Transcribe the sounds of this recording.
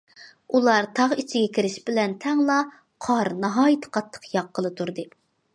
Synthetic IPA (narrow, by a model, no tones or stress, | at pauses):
ulˠɑɾt̪ʰɑʁit͡ʃʰɪɡʲɛkʲiɾɪʃbɪlɛnt̪ʰɛŋlˠɑ | qʰɑɾnɑɦɑːjɨt̪ʰɨ̥qʰɑt̪ʰːə̥qjɑqːəlˠɨt̪ʰuɾd̪ɨ